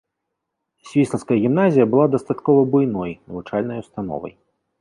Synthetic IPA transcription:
sʲvʲisˠɐt̪skɐjɐɣʲimnazʲijɐbɨlˠad̪ɐst̪at̪kɔvɐbujnɔjnɐvut͡ʂalʲnɐjwst̪anɔ̰vɐ̰j

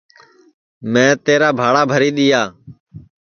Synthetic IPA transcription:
mɛ̃ːt̪eːɾaːbʱaːɽaːbʱəɾiːɗ̪ɪjaː

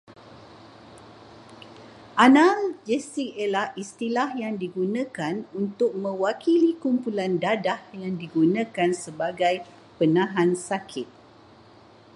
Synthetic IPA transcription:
ʔanãld͡ʒɛsikelaist̪ilahjaŋdiɡunə̃kanunt̪ʊk̚mə̃wakʰilikumpulandadahjaŋdiɡunãkansəbaɡaj | pənãɦãnsakʰɪt̪̚

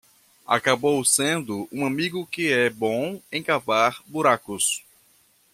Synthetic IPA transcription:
a̰kabowsẽnd̪ʊũamiɡʊkɪɛbõẽj̃kavaɾbuɾakʊs

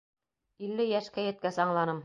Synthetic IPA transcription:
ilːɘjæʃkæjɘ̆t̪̚kæsɑɴlˠɑnɤm

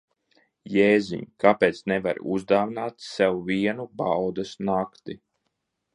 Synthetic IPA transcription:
jeːzḭɲkapeːt̪snɛva̰ɾuzd̪aːvnaːt̪sɛwuviɛnubawd̪asnakt̪i

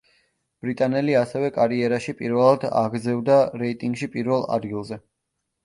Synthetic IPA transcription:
b̥ɾit̪ʼanɛliasɛvɛkʼaɾiɛɾaʃipʼiɾvɛlˠad̪a̰ɡɾd̪zɛvd̪aɾɛit̪ʼiŋɡʃipʼiɾvɛlˠa̰d̪ɡilˠzɛ

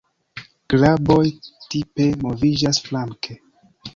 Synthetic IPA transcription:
klabojtipe̞movid͡ʒasflaŋkʰe

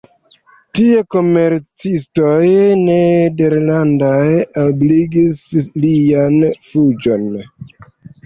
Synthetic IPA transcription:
tieko̞me̞ɾt͡sisto̞jne̞deɾlandajobliɡislianfud͡ʒo̞n

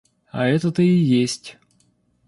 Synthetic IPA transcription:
ɐ̰ɛt̪ət̪əijesʲtʲ

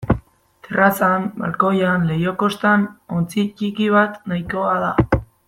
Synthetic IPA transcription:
t̪erasamba̰lko̞janle̞joko̞st̪ano̞nt͡sit͡ʃikiβat̪najko̞aða

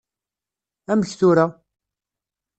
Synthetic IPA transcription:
æməçθʊɾa

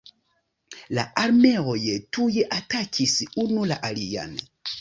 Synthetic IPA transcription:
la̰ʔaɾme̞ojetujeʔatakʰisunulaʔalija̰n

